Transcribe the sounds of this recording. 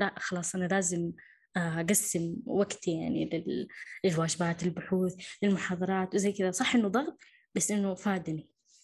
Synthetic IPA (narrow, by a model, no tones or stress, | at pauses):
laʔxɑlɑːsˤʔanalaːzɪm | ʔaɡasːɪmwaɡt̪jaʕnilɪlɪlwaːd͡ʒɪbaːt̪ɪlbʊħuːθlɪlmʊħɑːðˤɑɾˤɑːt̪wɪzajːkɪðasˤɑħːʔɪnːʊd̪ˤɑɣt̪ˤ | basːʔɪnːʊfaːd̪ni